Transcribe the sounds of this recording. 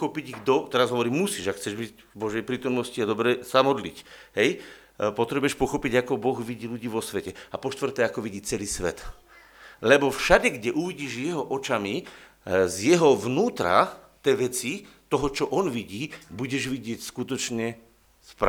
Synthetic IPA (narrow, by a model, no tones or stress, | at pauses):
ɔpiɟiɡd̪ɔt̪ɛɾazɦɔʋɔɾiːmmusiːʒakxt͡sɛʒbicvbɔʒɛjpɾiːt̪ɔmnɔsciad̪ɔbɾɛsamɔd̪lḭcɦɛj | pɔt̪ɾɛbujɛʃpɔxɔpiɟakɔbɔɣʋiɟiːluɟiːʋɔsʋɛcɛapɔʃt̪ʋr̩t̪ɛːakɔʋiɟiːt͡sɛliːsʋɛ̰t̪ | lɛbɔfʃaɟɛɡɟɛʔuʋiɟiːʒjɛɦɔʔɔt͡ʃami | zjɛɦɔʋnuːt̪ɾa̰t̪ɛːʋɛt͡si | t̪ɔɦɔt͡ʃɔʔɔnʋiɟiːbuɟɛʒʋiɟɪɛcskut̪ɔt͡ʃɲɛ | sp